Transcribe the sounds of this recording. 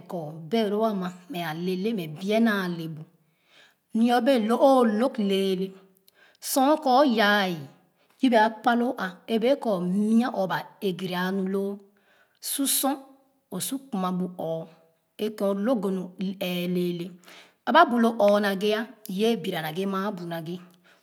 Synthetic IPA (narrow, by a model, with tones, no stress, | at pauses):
kɔ˨be˦˨ɾo˦a˦ma˨me˨a˨le˨le˦me˨bi˦e˦na˨le˨bu˨ | nĩ˦o˦be˦lo˦ʔo˦lo˦kleː˨˦˨le˦ | sɔ̃˦kɔ˦ja˨ji˨ | ji˦be˨a˨k͡pa˦lo˦ʔa˨e˦be˦kɔ˨mi˦a˦ʔo˨ba˨e˨ɡi˨ɾe˨a˨˦nu˦loː˦ | su˦sɔ̃˦ | o˨su˦ku˨ma˨bu˨ɔː˨ | e˦ko˨lo˦ɡo˨nu˨e˨le˦le˦ | a˨ba˦bu˨lo˦ʔɔ˨na˨ɡe˦a˦˨je˦bi˨ɾa˨na˨ɡe˦ma˦bu˨na˨ɡe˦